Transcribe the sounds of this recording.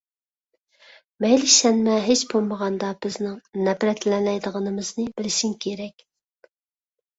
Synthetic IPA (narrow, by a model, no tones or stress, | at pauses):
mɛjlɪʃɛnmɛɦet͡ʃbolˠməʁɑnd̪ɑb̥ɪznɪŋnɛpɾɛt̪lɛnlɛjd̪əʁənɨmɨznɨbɪlɪʃiŋkʲʰeɾɛkʲ